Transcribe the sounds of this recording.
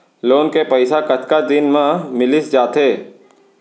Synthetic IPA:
loːnkepəɪsakət̪kad̪ɪnmãmɪlɪsd͡ʒaːt̪eː

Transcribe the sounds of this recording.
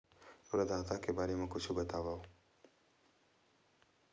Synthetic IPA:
oɾəd̪aːt̪akebaːɾemẽkʊt͡ʃʰubət̪aːʋaːo

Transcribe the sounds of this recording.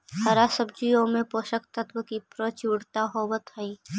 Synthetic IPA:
hɐɾasəb̚d͡ʒijõmẽpoːʃəkt̪ət̪wəkipɾot͡ʃuːɽt̪aɦoːʋət̪ɦɐi

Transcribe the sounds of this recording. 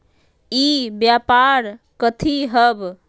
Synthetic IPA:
ibjapaɾ | kət̪ʰiɦəb

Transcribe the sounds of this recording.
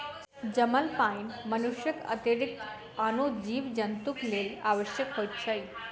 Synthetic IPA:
d͡ʒəməlpajnmənuʃjəkə̰t̪jəɾik̚t̪ | anod͡ʑiʋd͡ʒənt̪uklelaʋəʃjəkɦojt̪̚t͡ʃʰəj

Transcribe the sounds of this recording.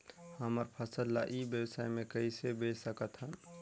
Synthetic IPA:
həməɾpʰəsəlːaʔibjəwsajmẽkəisebesəkət̪ɦən

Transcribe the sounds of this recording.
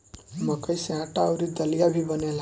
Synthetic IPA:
mʌkəjseɦãʈaːwɾid̪ʌlijabʱibʌnela

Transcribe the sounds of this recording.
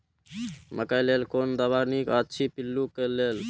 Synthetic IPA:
məkajlelkond̪əβaɾnikətːt͡ʃʰipilːukelel

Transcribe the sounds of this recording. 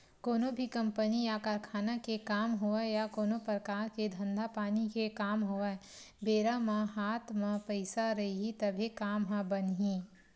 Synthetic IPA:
koːnobʱikɐ̃mpənijakaːɾkʰaːnakekaːmɦoajakoːnopɾəkaːɾked̪ʱɐ̃nd̪ʱapaːnikekaːmɦoa | beːɾamãɦaːt̪mãpɐɪsaɾɐɦiɦit̪ɐbʱekaːmɦãbənɦĩː

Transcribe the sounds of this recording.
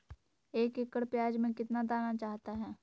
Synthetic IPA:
eːkɪkːəɽpjaːd͡ʒmẽkɪt̪nad̪aːnat͡ʃaːɦt̪aɦɛː

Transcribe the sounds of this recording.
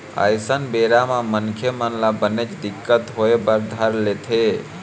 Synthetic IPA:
ə̰jsənbeɾamamənkʰjəmənlabənet͡ʃd̪ikːət̪ɦoebəɾd̪ʱəɾlet̪ʰe

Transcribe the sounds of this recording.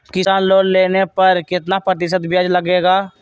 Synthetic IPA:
kɪsaːnloːnleːnepɐɾkɪt̪napɾət̪̬ɪʃət̪bʱjəd͡ʒlɐɡeːɡaː

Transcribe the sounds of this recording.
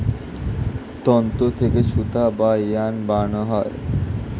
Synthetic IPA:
t̪ɔnt̪ot̪ʰekeʃut̪abajanbanoɦɔe

